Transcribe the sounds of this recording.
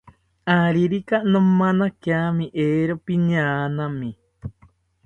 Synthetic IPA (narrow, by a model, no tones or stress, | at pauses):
aɾiɾikanõmãnãkamĩʔeɾopiɲaːnãmĩ